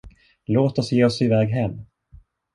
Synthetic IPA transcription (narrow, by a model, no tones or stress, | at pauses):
loːt̪ɔsjeːɔsɪvɛːɡɦɛmː